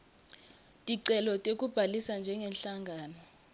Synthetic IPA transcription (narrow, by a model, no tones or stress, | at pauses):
tʼiǀɛlɔtʼek̬ʼub̥ʱalisand͡ʒʱɛŋɡʱɛnɬaŋʱaːnɔ